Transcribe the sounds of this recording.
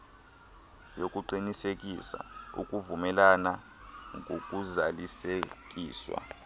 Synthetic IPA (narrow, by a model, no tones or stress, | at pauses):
jokʼuǃinisekʼisa̰ṵkʼuvumɛlana | ŋʱok̬ʼuzalisek̬ʼiːswa̰